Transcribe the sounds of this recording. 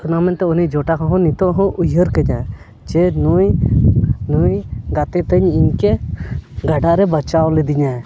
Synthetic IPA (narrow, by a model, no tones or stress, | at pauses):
unamɛnt̪ɛɔnid͡ʒɔʈakɔ̃ɦɔ̃nit̪ɔ̃ʔɦɔ̃ʔujɦəɾkəɲa | d͡ʒɛnuj | nujɡat̪ɛt̪əɲiɲkɛ | ɡaɖaʔɾɛbət͡ʃawlɛd̪iɲa